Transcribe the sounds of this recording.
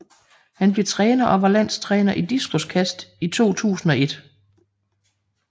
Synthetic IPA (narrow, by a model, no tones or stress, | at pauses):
hænb̥le̝t͡sʰʁɛːnɐʔɒ̽ʋɑ̈læn̰st͡sʰʁɛːnɐʔid̥isɡ̥o̝skʰæsd̥it͡sʰo̝̰ːt͡sʰṵːsn̩ɒ̽e̝d̥